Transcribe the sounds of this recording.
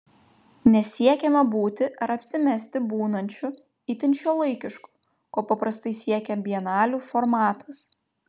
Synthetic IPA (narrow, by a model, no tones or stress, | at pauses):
nʲɛsʲiɛkʲɛmɐbuːt̪ʲɪʔɐɾɐpʲsʲɪmʲɛsʲt̪ʲɪbuːnɐnʲt͡ʃʲʊ | iːt̪ʲɪnʲt͡ʃʲoːlˠɐɪkʲɪʃku̥ | koːpɐpɾɐst̪ɐɪsʲiɛkʲɛbʲiɛnɑːlʲuːfɔɾmɑːt̪ʰɐs